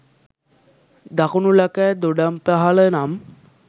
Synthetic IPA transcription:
d̪akunulakæːd̪oɖampaɦalənam

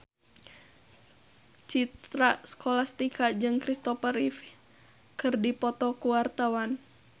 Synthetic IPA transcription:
t͡ʃit̪ɾaskɔlast̪ikad͡ʒɨŋkɾist̪ɔfərif | kɨrdipɔt̪ɔkuwart̪awan

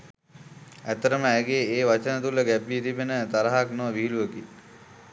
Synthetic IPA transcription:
æt̪ːəɾəməæɡeːeːʋat͡ʃənət̪uləɡæbit̪ibenət̪aɾaɦaknoʋəʋiɦiluʋəki

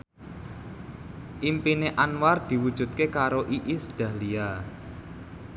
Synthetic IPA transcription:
ʔimpineʔanward̪̥i̤wud̥ʒ̥ṳt̪̚kekaɾoʔiʔisɖ̥ä̤hlia

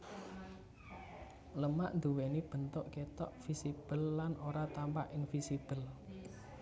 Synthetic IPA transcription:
ləmaʔnd̪uwenib̥ə̤nt̪ɔʔket̪ɔʔfisib̥əlːanoɾat̪ampaʔinfisib̥əl

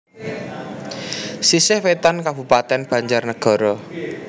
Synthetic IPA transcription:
sisɪhwet̪ankab̥ṳpat̪ɛnb̥ä̤ɲd͡ʒarnəɡ̥ɔ̤ɾɔ

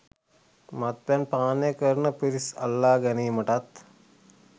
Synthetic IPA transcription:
mat̪̚ʋɛnpaːnəjəkəɾnəpiɾisa̰lːaːɡæniːməʈat̪

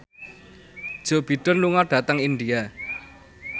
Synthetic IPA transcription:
d̥ʒ̥o̤b̥i̤ɖ̥ə̤nluŋaɖ̥ä̤t̪əŋindia

